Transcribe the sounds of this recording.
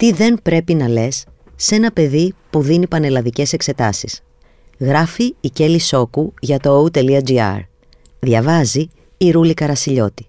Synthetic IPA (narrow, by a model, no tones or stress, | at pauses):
t̪iðe̞npɾe̞pinɐle̞sː | e̞nɐpe̞ðipuðinipɐne̞lɐðice̞se̞kse̞t̪ɐsis | ɣɾɐfiːce̞liso̞kuʝɐt̪o̞out̪e̞liɐd͡ziɐ̰ɾ | ðʝɐvɐziː | ɾulikɐɾɐsiʎo̞t̪i̥